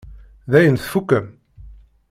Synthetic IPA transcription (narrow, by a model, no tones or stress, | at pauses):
ðæjənθfukːəm